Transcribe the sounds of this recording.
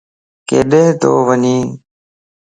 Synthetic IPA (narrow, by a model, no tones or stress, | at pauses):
keːɗeːɦt̪o̰ːʋəɲiː